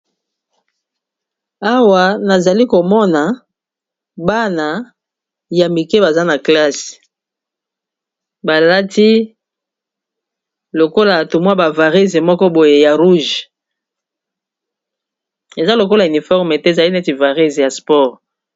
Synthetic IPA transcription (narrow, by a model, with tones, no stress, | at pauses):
a˦wa˨na˨za˨li˦ko˨mɔ˦na˨ | ba˦na˨ | ja˨mi˨ke˦ba˨za˦na˨kla˦s | ba˨la˦ti˦ | lo˨ko˦la˨tu˨mwa˦ba˨va˨ʁi˦ze˨mɔ˦kɔ˦bo˨je˨ja˨ʁu˦ʒ | e˨za˦lo˨ko˦la˨y˨ni˨fɔ˦ʁme˨te˦˨za˨li˦nɛ˦ti˨va˨ʁi˦zja˨spɔ˦ʁ